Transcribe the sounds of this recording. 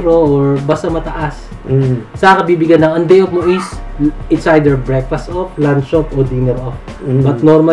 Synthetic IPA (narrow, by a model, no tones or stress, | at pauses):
ɾooɹbɐst̪ɐmɐt̪ɐʔasː | ɐkɐbiːbɪɡanːɐŋɐnd̪ejofmoʔisʔɪt̪sʔajd̪ɛɹbɹɛkfɐst̪ɔplanʃopʔod̪inɛɾʔɔf̚ | bɐt̪̚noɾmɐ